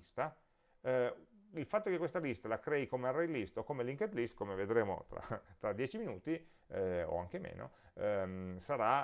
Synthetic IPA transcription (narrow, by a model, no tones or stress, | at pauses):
st̪a | ilfat̪ːokekwest̪alist̪alakɾɛːikomearejlist̪okomeliŋked̪list̪komeved̪ɾeːmo̰t̪ɾa̰t̪ɾad̪ːjɛːt͡ʃiminuːt̪i | o̰aŋk̟emḛːno̰ | saɾa